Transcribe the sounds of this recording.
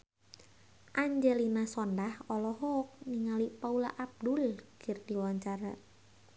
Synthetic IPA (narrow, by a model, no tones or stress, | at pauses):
ʔaɲd͡ʒɛlinasɔndahɔlɔɦɔk̚niŋalipaula̰ʔab̚dulkərdiwaɲt͡ʃaɾa̰